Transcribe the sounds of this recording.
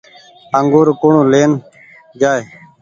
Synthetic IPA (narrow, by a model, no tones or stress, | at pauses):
əŋɡoːɾkoːɳũːleːn | d͡ʒaːeː